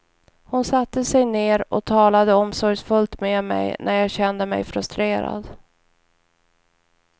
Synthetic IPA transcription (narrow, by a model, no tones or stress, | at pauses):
hʊnsat̪ːəsɛjneːɾʔɔt̪ʰɑːlad̪əɔmsɔɾfɵlt̪memɛ̰jnʔæɾjɑːɡɕɛnd̪əmɛ̰jfɾɵst̪ɾeːɾa̰d̪